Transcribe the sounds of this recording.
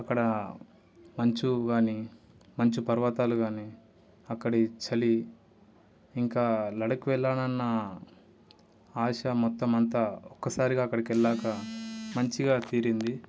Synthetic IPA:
ɐkːɐɽɐ | mɐɲt͡ʃuɡaːni | mɐɲt͡ʃipɐɾʋat̪aːluɡaːniː | ɐkːɐɽit͡ʃɐli | ŋkaːlɐɽɐkuʋɛɭːaːnɐnːɐ | aːʂɐmɔt̪ːɐmɐnt̪aɔkːɐsaːɾiɡaːkːɐɽɐkɛɭːaːkɐmɐɲt͡ʃiɡaːt̪iːɾind̪i

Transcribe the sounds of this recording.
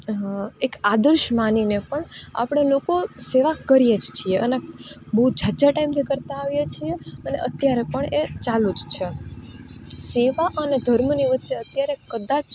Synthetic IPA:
ekad̪əɾʃmaninepəɳa̰pɳ̃elokoseʋakəɾijed͡ʒt͡ʃʰieʔənebəɦud͡ʒʱad͡ʒaʈaimt̪ʰikəɾt̪aːʋjet͡ʃʰieənḛʔət̪jaɾepəɳet͡ʃalud͡ʒt͡ʃʰe | seʋaʔəned̪ʱəɾmniʋətːʃeət̪jaɾekəd̪at͡ʃ

